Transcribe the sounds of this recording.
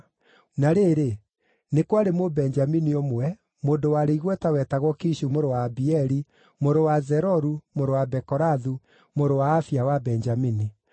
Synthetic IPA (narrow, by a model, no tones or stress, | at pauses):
naɾeːɾe | nekwaɾemobɛnd͡ʒaminiɔmwwɛ | moːndowaɾeiɣwɛtawɛtaɣwɔkiɕumoɾowaːbiɛɾi | moɾowazɛɾɔɾumoɾowabɛkɔɾaðu | moɾowaːfiawabɛɲd͡ʒamini